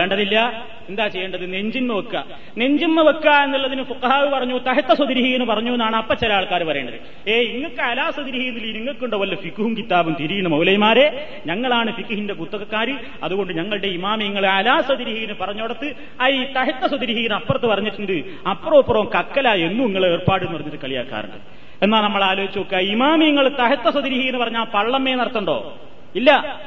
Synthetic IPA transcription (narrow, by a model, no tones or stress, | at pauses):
eːɳɖɐðilːɐ | end̪aːt͡ɕe̞jːɐɳɖɐðɨne̞ɲd͡ʑinmɐʋɐkːɐ | ne̞ɲd͡ʑinmɐʋɐkːae̞nːilːɐðinɨfuqɐɦaːʋɨpɐrɐɲːut̪ɐɦɐt̪ːɐswɐd̪iɾiɦiɣɐnːɨpɐrɐɲːuenːaːɳɨɐpːɐt͡ɕːelɐaːɭkaːɾupɐrɐeːɳɖɐ̰ðɨ̰ | eːiŋːɐkːɨɐlaːswɐd̪iɾihijɐnːilːiiniŋːɐkːuɳɖoʋɐlːɐfikːuhumkit̪ːaːbumt̪iɾijɳɨmɐwlɐjɐmaːɾe̞ | ɲɐŋːɐɭaːɳɨfikːuɦindek̬ut̪ːɐɣɐkːaːɾɨ | ɐðuɣo̞ɳɖɨɲɐŋːɐɭɨɽe̞imaːmiŋːɐɭɐlaːsɐd̪iɾiɦiɣɐnɨpɐrɐɲːoːɽɐt̪ːɨ | ɐit̪ɐɦɐt̪ːɐsɐd̪iɾiɦiɣɐnɐpːɐrɐt̪ːɨpɐrɐɲːiʈːuɳɖɨ | ɐpːroːpːɐroːmkɐkːɐlae̞nːumiŋːɐɭe̞ːrpaːɽɨnpɐrɐɲːɐt̪ːɨkɐɭija̰ːkːa̰ːrɐ̰ɳɖɨ̰ | e̞nːaːlnɐmːɐɭaːloːit͡ɕːɐʋokːeɐimaːmijɐŋːɐɭt̪ɐɦɐt̪ːɐswɐd̪iɾiɦijɐnːɨpɐrɐɲːaːɭpɐɭːɐmeːnɐɽɐt̪ːɐɳɖo̞̰ː | ilːɐ